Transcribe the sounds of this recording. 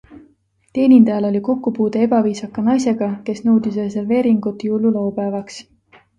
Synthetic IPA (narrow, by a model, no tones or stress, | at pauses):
t̪e̞ːnʲind̪ɑjɑlo̞lʲiko̞kːupuːd̪ee̞b̥ɑviːsɑkːˑɑnɑjse̞ɡ̥ɑke̞snɤwd̪is̬rese̞rve̞ːɾiŋɡ̥ut̪ːˑjulːulowpæːvɑks